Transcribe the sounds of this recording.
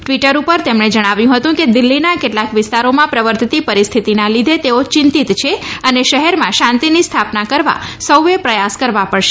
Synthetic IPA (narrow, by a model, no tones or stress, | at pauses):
ʈʋiʈəɾupəɾt̪emɳed͡ʒəɽ̃aʋjũɦət̪ũked̪ɪlːinakeʈlakʋɪst̪aɾomãpɾəʋəɾt̪t̪ipəɾist̪ʰit̪inãlid̪ʱet̪eot͡ʃɪnt̪it̪t͡ʃʰeəneʃəɦɛɾmãʃãnt̪inist̪ʰapnakəɾʋa̰səwʋepɾəjaskəɾʋapəɽʃe̥